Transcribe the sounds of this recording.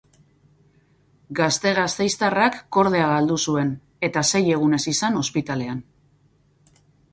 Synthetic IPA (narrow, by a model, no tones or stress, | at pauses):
ɡast̪e̞ɣ̞ast̪e̞jst̪arakːo̞ɾð̞e̞aɣald̪usue̞n | e̞t̪ase̞je̞ɣ̞une̞sisano̞spit̪ale̞an